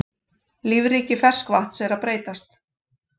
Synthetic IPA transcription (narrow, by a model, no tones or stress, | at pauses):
lɪvɾiːcɪfɛr̥skvaht̪sɛːɾapɾeːjt̪ast̪